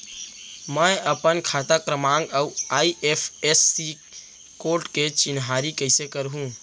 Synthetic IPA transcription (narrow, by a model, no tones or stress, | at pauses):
mə̃jəpənkʰaːt̪akɾəmãːŋɡauaːiʔepʰesːi | koːɾʈket͡ʃɪnɦaːɾikəɪsekəɾɦũː